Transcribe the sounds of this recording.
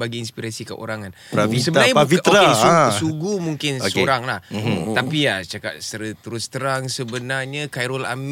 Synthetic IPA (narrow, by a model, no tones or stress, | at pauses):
baɡiːnspiɾasika̰ʔo̰ɾaŋan | pavisəbnaajafit̪oɾaeuuɡumuŋkɪnosoɾaŋlaht̪apiat͡ʃaka̰t̪̚səɾət̪uɾʊst̪əɾaŋsəbənarɲakajɾɔla̰m